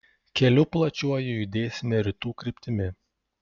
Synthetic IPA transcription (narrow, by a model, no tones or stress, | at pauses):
kʲɛlʲʊplˠɐt͡ʃʲuɔjʊjʊd̪ʲeːsʲɪmʲeɾʲɪt̪uːkɾʲɪpʲt̪ʲɪmʲɪ